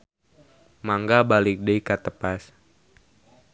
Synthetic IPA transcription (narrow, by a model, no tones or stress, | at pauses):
maŋɡabalɪk̚dəjkat̪əpas